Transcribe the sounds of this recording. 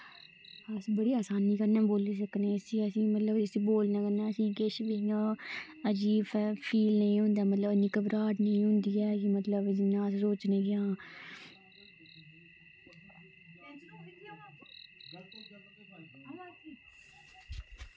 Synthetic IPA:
əsbəɽiːaːsaːniːkəɾnɛːboːliːs̬əkneːsĩːəsĩːmət̪ləbɪsĩːboːlnaːkəɾnɛːəsĩːkeːʃbeːãː | əd͡ʒiːfpʰiːlnəĩːɦʊ̃nd̪aːmət̪ləbənĩːkəbɾaːʈnəĩːɦʊ̃nd̪iːɛːkimət̪ləbd͡ʒɪnːãːsɾoːt͡ʃnẽːɡɪjãː

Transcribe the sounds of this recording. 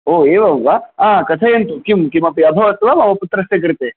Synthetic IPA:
oːeːʋɐʋaãːkɐt̪ʰɐjent̪ukimkimɐpiɐbʱɐʋɐt̪ʋamɐʋɐput̪ːɾɐst̪ek̬ɐɾit̪e

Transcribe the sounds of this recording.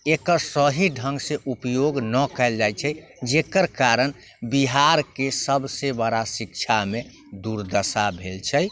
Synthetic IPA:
ekəɾsəɦiɖʱəŋɡsẽʔupjoɡnəkɛld͡ʒajt͡ʃʰɛ | d͡ʒekəɾkaɾən | biɦaɾkesəbsebəɾasik̚t͡ʃʰame | d̪uɾd̪əsabʱelt͡ʃʰɛj

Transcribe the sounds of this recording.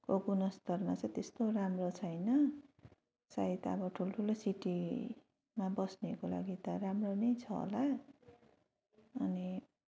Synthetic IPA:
koɡunʌst̪ʌrmat͡sʌ̃jt̪est̪oramrot͡sʰʌjnʌ | sait̪ʌ̰bʌʈʰuloʈʰulosiʈi | mabʌsnekola̰ɡit̪ʌramronʌjt͡sʰʌɦo̰la | ʌni

